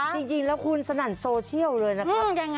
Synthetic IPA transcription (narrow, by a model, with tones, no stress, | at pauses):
t͡ɕt͡ɕi˧ŋt͡ɕi˧ŋlɛː˦˥wkʰu˧nsa˧na˨˩nsoː˧t͡ɕʰi˥˩əwlɤː˧jna˦˥˦ja˧˩ŋː˥